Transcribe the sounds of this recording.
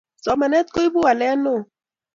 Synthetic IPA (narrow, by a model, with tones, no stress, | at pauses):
sɔ˨ma˨nɛ˦t̪̚ko˦i˦bu˦a˨lɛ˦no˦˨